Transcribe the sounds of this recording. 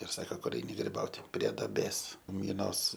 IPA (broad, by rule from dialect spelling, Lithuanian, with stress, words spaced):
ɪr ˈsɑːkoː ˈkʊr ˈɛɪnʲɪ ɡrʲɪˈbɐʊtʲɪ pʲrʲiɛ dɐˈbʲeːs mʲɪˈnoːs